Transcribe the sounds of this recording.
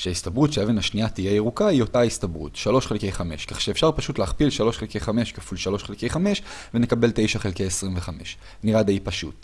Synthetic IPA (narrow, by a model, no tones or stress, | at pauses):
ʃeaistabʁutʃeaeve̞naʃniatijejeʁukaio̞taistabʁṵtʃalo̞ʃχelkejχameʃkaχʃeefʃaʁpaʃutleːχpilʃalo̞ʃχelkejχame̞ʃkafulʃalo̞ʃχelkejχameʃvenekabe̞lte̞jʃaχe̞lkejesʁimveχameʃ | niʁad̪aipaʃṵt